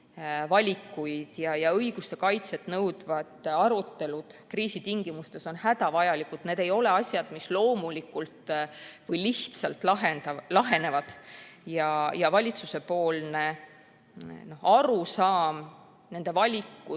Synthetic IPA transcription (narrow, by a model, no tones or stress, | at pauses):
vɑlʲikːˑujd̪̥jɑjɑɤjɡ̥ust̪e̞kɑjt̪se̞t̪nɤwd̪̥vɑd̪ɑɾut̪ːe̞lud̪̥kriːsit̪iŋɡ̥imust̪e̞so̞nhæd̪ɑvɑjɑlikud̪̥ne̞ːd̪e̞jo̞le̞ɑsʲjɑd̪̥mislo̞ːmulikːˑult̪vɤjliht̪sɑlt̪lɑɦenɑlɑɦe̞ne̞vɑd̪̥jɑjɑvɑlʲit̪suse̞poːlne | no̞hɑɾusɑːm | ne̞nd̪̥e̞vɑlʲikːu